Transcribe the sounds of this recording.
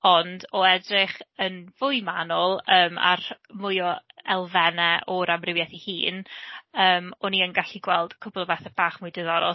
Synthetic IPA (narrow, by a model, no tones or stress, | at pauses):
ɔndɔɛdrɪχənvʊjmanɔlˠəːma̰rmʊjɔɛlˠvɛnɛʔɔɾamrɪvjɛθihḭːnəːmɔniənɡaɬiɡwɛlˠd̥kʰʊbɔlˠɔbɛθɛb̥aːχmʊjdɪðɔɾɔ̰